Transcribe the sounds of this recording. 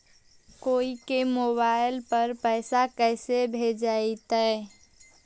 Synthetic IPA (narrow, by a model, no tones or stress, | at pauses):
koːikemoːbaɪlpəɾpəɪsakɛɪsebʱed͡ʒait̪ɛ